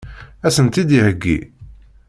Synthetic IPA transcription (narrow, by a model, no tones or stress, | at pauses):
æsənt̪id̪ihəɡːḭ